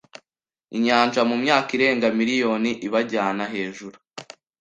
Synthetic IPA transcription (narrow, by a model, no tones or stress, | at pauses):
iɲaːnʒamumɲaːkiɾe̞ːŋɡamiɾijo̞ːniʔiβaɟaːnaɦe̞ːʒuɾu